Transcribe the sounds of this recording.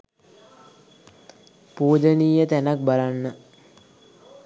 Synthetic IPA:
puːd̪əniːjət̪ænak̚balanːə

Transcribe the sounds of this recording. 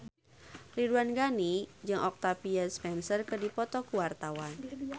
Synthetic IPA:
riduanɡanid͡ʒɨŋʔɔk̚t̪apiaspɛnsərkədipɔt̪ɔkuwart̪awan

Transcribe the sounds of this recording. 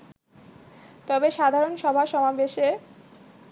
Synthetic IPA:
t̪ɔbeʃad̪ʱaɾonʃɔbʱaʃɔmabeʃe

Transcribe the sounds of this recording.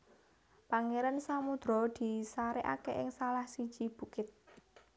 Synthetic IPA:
paŋeɾansamud̪̥ɾɔ̤d̪̥i̤saɾeʔakeʔɪŋsalahsid̥ʒ̥i̤b̥ṳkɪt̪̚

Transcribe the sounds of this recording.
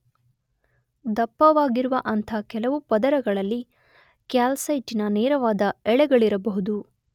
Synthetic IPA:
d̪ɐpːɐʋaːɡiɾuʋɐʔɐnt̪ʰɐkɛlɐʋupɐd̪ɐɾɐɡɐɭɐlːi | kjaːlsɐjʈinɐnɛːɾɐʋaːd̪ɐɛɭɛɡɐɭiɾɐbɐɦud̪u

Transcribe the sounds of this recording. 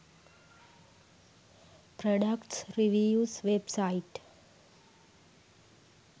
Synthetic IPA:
pɾɔɖəkʈsɾiʋiuːsʋebsaiʈ

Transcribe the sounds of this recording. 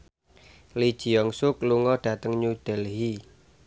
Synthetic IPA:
lid̥ʒ̥i̤ɔŋsʊkluŋɔɖ̥ä̤t̪əŋɲud̪̥ɛlɦi

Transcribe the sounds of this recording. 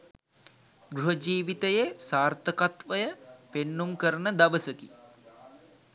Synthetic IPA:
ɡɾuɦəd͡ʒiːʋit̪əjesaːrt̪əkat̪ʋəjəpenːumkəɾənəd̪aʋəsəki

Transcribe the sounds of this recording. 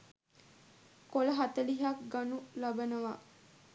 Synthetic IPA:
koləɦat̪əliɦak̚ɡanulabənəʋa

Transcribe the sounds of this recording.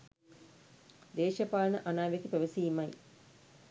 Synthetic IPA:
d̪eːʃɐpaːlɐnɐʔanaːʋek̪ipeʋɐsiːmɐj

